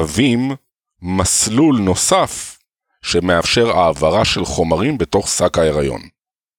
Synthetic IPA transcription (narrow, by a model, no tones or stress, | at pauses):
vimː | aslulno̞saf | ʃe̞me̞afʃe̞ʁaːvaʁaʃe̞lχo̞maʁimbe̞to̞χsakae̞ʁajo̞̰n